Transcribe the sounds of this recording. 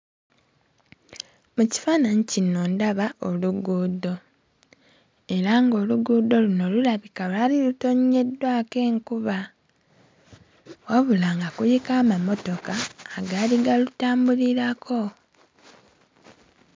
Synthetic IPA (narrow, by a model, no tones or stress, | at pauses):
muci̥faːnaɲicino̞ndaβao̞luɡuːdo̞ | e̞ɾaŋɡo̞ːluɡuːdo̞luno̞lulaβikalaːliluto̞ɲːe̞dːwake̞ːŋkuβa | waβulaːŋɡakujikaːmamo̞to̞kaːɡaːliɡalutaːmbuliɾakʰo̞